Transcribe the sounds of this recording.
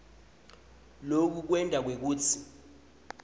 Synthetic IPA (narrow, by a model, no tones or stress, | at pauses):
lok̬uk̬wɛntʼak̬wek̬uːtʰi